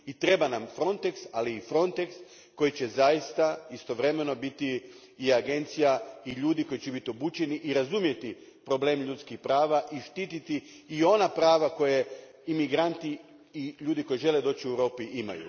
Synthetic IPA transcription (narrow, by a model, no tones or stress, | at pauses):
it̪ɾe̞banamfɾo̞nt̪eksaliːfɾo̞nt̪e̞ks | ko̞jit͡ɕezajist̪aist̪o̞ʋɾe̞me̞no̞bit̪i | iaɡe̞nt̪sijaiʎuːd̪iko̞jit͡ʃebit̪io̞buːt͡ɕe̞niʔiɾazumje̞t̪ipɾo̞ble̞ːmʎut̪skixpɾaːʋaʔiʃt̪it̪it̪iː | o̞napɾaːʋako̞je̞ | imiɡɾant̪i | iʎuːd̪iko̞jiʒe̞le̞d̪o̞ːt͡ɕiuewɾo̞ːpiʔima̰jṵ